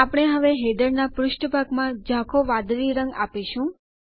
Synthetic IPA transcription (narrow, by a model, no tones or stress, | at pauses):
apəɽ̃eɦəʋeɦed̪əɾnapɾʊʃʈbʱaɡmãd͡ʒãkʰoʋãd̪ɾiɾə̃ŋɡapeʃũ